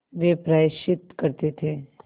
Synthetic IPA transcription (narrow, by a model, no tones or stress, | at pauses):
ʋepɾaːʃɪt̪kɐɾt̪et̪ʰeː